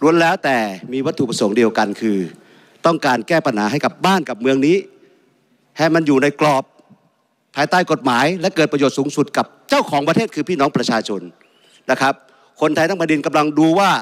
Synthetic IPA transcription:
lu˧ənlɛː˦˥wt̪ɛː˨˩miː˧wa˦˥t̪ʰːu˨pɾa˧so˩˦ŋdi˧əwka˧nkʰɯː˧ | t̪ɔ˥˩ŋkaː˧nkɛː˥˩pa˧nhaː˩˦ɦa˥˩jka˨˩p̚baː˥˩nka˨˩p̚mɯ˧əŋniː˦˥ | hɛː˧˩ma˧njuː˨˩na˧jklɔː˨˩p̚ʰː | aː˧jt̪aː˥˩jko˨˩t̪̚maː˩˦jlɛ˦˥ʔkɤː˨˩t̪̚pɾa˧joː˨˩t̪̚suː˩˦ŋsu˨˩t̪̚ka˨˩p̚t͡ɕa˥˩wkʰɔː˩˦ŋpɾa˧t̪ʰeː˥˩t̪̚kʰɯː˧pʰiː˥˩nɔː˦˥ŋpɾa˧t͡ɕʰaː˧t͡ɕʰo˧n | na˦˥˩kʰɾa˦˥p̚ | kʰo˧nt̪ʰa˧jt̪a˥˩pa˧ndi˧nka˧mla˧ŋduː˧waː˥˩

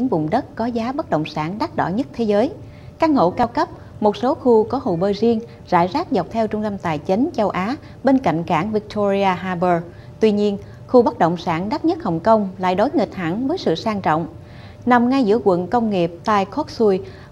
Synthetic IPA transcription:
i˨˦ŋvʊ̰˧˨ŋ͡mɗə˦˥t̚kɔ˨˦zaː˨˦ɓə˦˥t̚ɗə̰˧˨wŋ͡msaː˧˩nɗa˦˥t̚ɗɔ̰˧˩ɲə˦˥t̚t̪ʰe˨˦zəː˨˦j | kaː˦˥k̚ŋo̰˧˨kaː˧wkə˦˥p̚ | mo˨˩t̚so˨˦xu˧kɔ˨˦ɦo̰˧˨jɓəː˧˩jzi˧əŋ | za̰ː˧˩jzaː˦˥k̚za˨˩wk͡p̚t̪ʰɛ˧wt͡ɕʊ˧ŋ͡mt̪ə˧mt̪aː˨˩jt͡ɕi˨˦ŋ̟t͡ɕə˧wʔaː˨˦ | ɓe˧nka̰˧˨jŋ̟kaː˧˩ŋvi˧˥k̚t̪ʰo˧zi˧aː˧ɦaː˧ɓəː˧˩ | t̪wi˧ɲi˧ən | xu˧ɓə˦˥t̚ɗə̰˧˨wŋ͡msaː˧˩nɗa˦˥t̚ɲə˦˥t̚hə˨˩wŋ͡mkə˧wŋ͡mla̰ː˧˨jɗo˨˦jŋə˨˩t̚t̪ʰa˧˩ŋvəː˨˦jsɨ̰˧˨saː˧ŋt͡ɕɔ̰˧˨wŋ͡m | na˨˩mŋa˧jzɨ̰˧˥əkwə̰˧˨nkə˧wŋ͡mŋi˨˩əp̚t̪aː˧jkʰɔ˦˥t̚su˧j

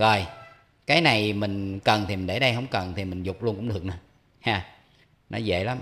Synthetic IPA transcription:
zo˨˩j | kaː˨˦jna˨˩jmï˨˩ŋ̟kə˨˩nt̪ʰi˨˩mï˨˩nɗe˧˩ɗə˧jɦə˧wŋ͡mkə˨˩nt̪ʰi˨˩mï˨˩ŋ̟zʊ˨˩k͡p̚lu˧ənkʊ̰˧˥ŋ͡mɗɨ˨˩ək̚nɨ˨˧˦ | haː˧˩ | nɔ˨˦zḛ˧˨la˨˦m

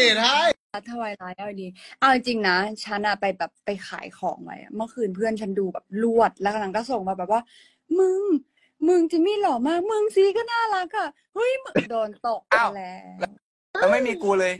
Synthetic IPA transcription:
e˨˩a˥˩j | a˧˩t̪ʰːa˧waː˧jlaː˨˦jʔa˧˩˧diː˧ʔa˧˩wʔi˧˩ŋt͡ɕi˧ŋna˦˥t͡ɕʰa˦˥nʔa˨˩pa˧jbɛː˨˩pːa˧jxʰa̰ː˨˩˦jkʰɔ̰ː˩˦ŋwa̰˧˥jʔa̰˧˩mɯ˥˩˨kʰɯː˧npʰɯ˥˩ənt͡ɕʰa˦˥nduː˧bɛ̰ː˨˩p̚lu˥˩ət̪̚lɛː˧˦˥kʰa˧˩na˧˥kɔː˥˩so˨˩ŋbbɛː˨˩p̚waː˥˩ | mɯ˧ŋ | mɯ˧ŋt͡ɕi˧˩miː˥˩lɔː˨˩maː˧˥˩mɯ˧ŋsiː˨˦kɔ˥˩naː˥˩la˧˦˥kːaː˧˥˩ | hɯ˦˥˩jdɔː˧nt̪o˨˩k̚a˧˩lɛː˦˥w | la˦˥ma˥˩jmiː˧kuː˧lɤː˧j

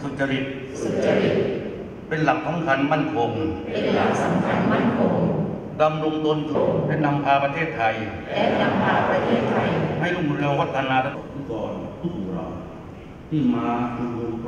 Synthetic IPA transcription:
su˨˩t̪̚t͡ɕːa˧ɾi˨˩t̪̚ | so˨˩t̚t͡ɕːa˧ɾi˨˩t̪̚ | pe˧nla˨˩k̚sa˩˦mkʰa˧nma˥˩nkʰo˧ŋpe˧nla˨˩k̚sa˨˩˦mkʰa˧nma˥˩nkʰo˧ŋ | da˧mɾo˧ŋt̪o˧n˨˩pe˧nt̪ʰa˧mpʰaː˧pɾa˧t̪ʰeː˥˩t̪ʰːa˧j | lɛ˦˥na˧mpʰaː˧pɾa˧t̪ʰeː˥˩t̪ʰːa˧jha˥˩jɾu˥˩m˧ɾeː˧ŋwa˦˥t̪ʰːa˧naː˧ta˧˥˩kɔː˧n˧˩u˨˩ɾɔ̰˧˩ | i˥˩maː˧kʰɯ˧

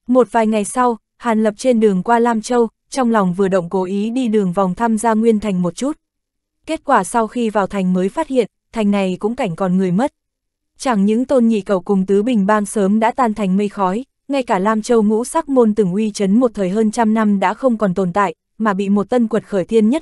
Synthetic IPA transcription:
mo˨˩t̚vaː˨˩jŋa˨˩jsa˧w | haː˨˩nlə˨˩p̚t͡ɕe˧nɗɨ˨˩əŋkwaː˧laː˧mt͡ɕə˧w | t͡ɕɔ˧wŋ͡mla˨˩wŋ͡mvɨ˨˩əɗə̰˧˨wŋ͡mko˨˦ʔi˨˦ɗi˧ɗɨ˨˩əŋvɔ˨˩wŋ͡mt̪ʰaː˧mzaː˧ŋwi˧ənt̪ʰa˨˩jŋ̟mo˨˩t̚t͡ɕu˦˥t̚ | ke˦˥t̚kwaː˧˩sa˧wxi˧vaː˨˩wt̪ʰa˨˩jŋ̟məː˨˦jfaː˦˥t̚hḭ˧˨ənt̪ʰa˨˩jŋ̟na˨˩jkʊ̰˧˥ŋ͡mka˧˩jŋ̟kɔ˨˩nŋɨ˨˩əjmə˦˥t̚ | t͡ɕa˧˩ŋɲɨ̰˧˥ŋt̪o˧nɲḭ˧˨kə˧˩wkʊ˨˩ŋ͡mt̪ɨ˨˦ɓï˨˩ŋ̟ɓaː˧ŋsəː˨˦mɗa̰ː˧˥t̪aː˧nt̪ʰa˨˩jŋ̟mə˧jxɔ˨˦j | ŋa˧jkaː˧˩laː˧mt͡ɕə˧wŋṵ˧˥saː˦˥t̚mo˧nt̪ɨ˨˧˩ŋʔwi˧t͡ɕə˨˦nmo˨˩t̚t̪ʰəː˨˩jɦəː˧nt͡ɕa˧mna˧mɗa̰ː˧˥xə˧wŋ͡mkɔ˨˩nt̪o˨˩nt̪a̰ː˧˨j | maː˨˩ɓḭ˧˨mo˨˩t̚t̪ə˧nkwə˨˩t̚xəː˧˩jt̪ʰi˧ənɲə˦˥t̚

